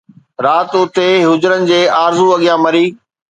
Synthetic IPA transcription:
ɾaːt̪ʊt̪eɦʊd͡ʑʊɾənɪ̆d͡ʑeːaːɾzuɐɠijãmɐɾiː

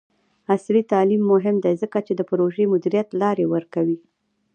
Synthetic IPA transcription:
aslit̪ɑlimːʊɦɪmd̪ezəkat͡ʃed̪əpɾoʒemʊd̪iɾijat̪lɑɾewəɾkawi

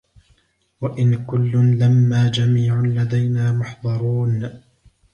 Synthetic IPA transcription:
waʔɪnkʊlːʊmlamːaːd͡ʒamiːʕanlad̪ajnaːmʊħd̪ˤɑɾˤuːn

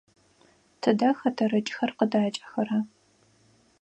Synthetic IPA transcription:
tʰɨdɐxɐtʰɐrɐt͡ʃʼxɐrqədaːt͡ʃʼɐ̥xɐrɐ

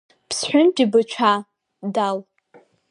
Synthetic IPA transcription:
pʰsħʷʊnd͡ʒʲʼibɨt͡ʃʷʰa | dal

